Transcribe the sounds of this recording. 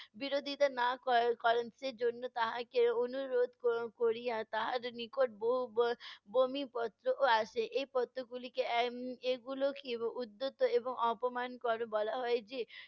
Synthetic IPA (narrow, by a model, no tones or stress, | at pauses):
biɾod̪ʱit̪anakɔkɔɾensed͡ʒonːot̪aɦãkeonuɾod̪ʱkɔkoɾijat̪aɦaɾnikoʈ̚boɦubomipɔt̪ɾoʔoaʃeʔejpɔt̪ɾoɡulikeeɡulokiud̪ːot̪ːoeboŋɔpɔmankɔɾobɔlaɦɔed͡ʒe